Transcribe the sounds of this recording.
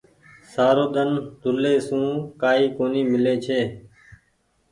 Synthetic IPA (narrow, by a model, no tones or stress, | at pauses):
saːɾoːɗ̪ənd̪ʱʊleːsũːkaːiːkoːniːmɪleːt͡ʃʰeː